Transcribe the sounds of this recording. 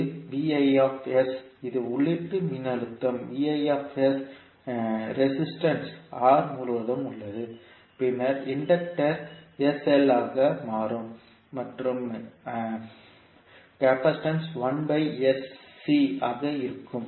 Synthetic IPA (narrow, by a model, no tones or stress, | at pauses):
ʋiːɐjaːfɛsɪðɯʊɭːɪʈ̪ːɯmɪnːɐɾɯt̪ːɐmʋiːɐjaːfɛs | ɾɛsɪsʈɐnsaːɾmuːɾɯʋɐðɐmʊɭːɐðɯ | pɪnːɐɾɪɳɖɐk̚ʈɐɾɛsɛlaːɣɐmaːɾɯmː | ɐʈrɯm | kaːpɐsʈɐnsʋɐnbɐɪɛsːiɐɣɐɪɾɯkːɯm